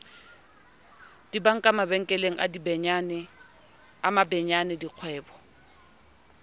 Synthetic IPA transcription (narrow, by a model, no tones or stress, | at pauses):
d̥ibaŋ̩kʼamabɛŋ̩kʼɛleŋ̩ʔa̰dibɛɲanɪ | amabɛɲanɪdiq͡χʰwɛːbɔ̥